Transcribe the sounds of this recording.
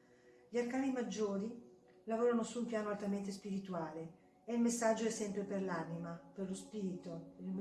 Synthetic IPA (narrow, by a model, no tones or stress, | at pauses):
ʎiarkaːnimad͡ʒːoːɾi | lavoːɾanosuːmpjaːnoalt̪ament̪espiɾit̪uaːle | eilmesːad͡ʒːoɛsːɛmpɾeperlanimaperlospiːɾit̪oelm